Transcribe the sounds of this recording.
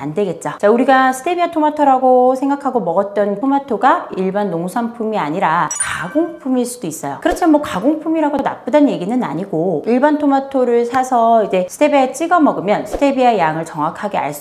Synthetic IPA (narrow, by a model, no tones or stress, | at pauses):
a̰ndwe̞ɡe̞t̚t͡ɕ͈at͡ɕauɾiɡasʰɯ̥tʰe̞biatʰomatʰoɾaɡosʰe̞ŋɡakʰaɡomʌɡʌt̚t͈ʌntʰomatʰoɡaiɭbanːoŋsʰanpʰumiaɲiɾakaɡoŋpʰumiɭs͈udois͈ʌjokɯɾʌt͡ɕʰimenmwʌkaɡoŋpʰumiɾaɡona̰p͈udanje̞ɡinɯna̰ɲiɡoiɭbantʰomatʰoɾɯɭsʰasʰʌid͡ʑe̞sʰɯ̥tʰebeet͡ɕ͈iɡʌmʌɡɯmjʌnsʰɯ̥tʰe̞biajaŋɯɭt͡ɕʌŋakʰaɡe̞a̰ɭs͈